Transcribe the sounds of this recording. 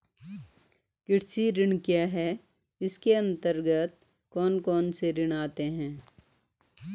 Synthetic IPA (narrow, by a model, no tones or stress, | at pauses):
kɪʈsiɾɪɳkjaːɦɛː | ɪskeɐ̃nt̪əɾɡət̪̚ | kɔːnkɔːnseɾɪɽaːt̪eɦɛ̃ː